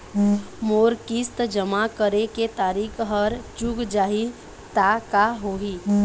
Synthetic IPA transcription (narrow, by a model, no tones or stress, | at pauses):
moːɾkist̪d͡ʒəmakəɾeket̪aːɾiːkʰɦəɾd͡ʒʊɡd͡ʒaːɦi | t̪akaɦoːɦiː